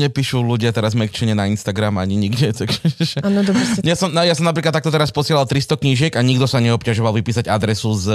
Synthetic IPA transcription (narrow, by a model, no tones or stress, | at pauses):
ɲɛpiːʃuluɟɪat̪ɛɾazmɛkt͡ʃɛɲɛnainst̪aɡɾamaɲiɲiɡɟɛt̪aɡʒ̥ɛʒɛanɔd̪ɔbɛɲasɔmnɔjasɔmnapɾiklat̪ːakt̪ɔt̪ɛɾaspɔsɪɛlalt̪ɾist̪ɔkɲiʒɪɛɡaɲiɡd̪ɔsaɲɛɔpcaʒɔʋalʋipiːsaɟad̪ɾɛsuz